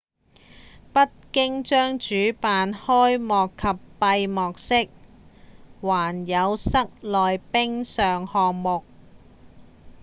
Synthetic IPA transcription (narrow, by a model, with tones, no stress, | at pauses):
pɐ˥t̚kɪ˥ŋt͡ʃœː˥ŋt͡ʃyː˨˥paː˨˧nhɔː˥jmɔː˨kʰːɐ˨pːɐ˧jmɔː˨k̚sɪ˥k̚ | waː˨˩njɐ˨˧wsɐ˥k̚lɔː˨jpɪ˥ŋsœː˨ŋhɔː˨k̚mʊ˨k̚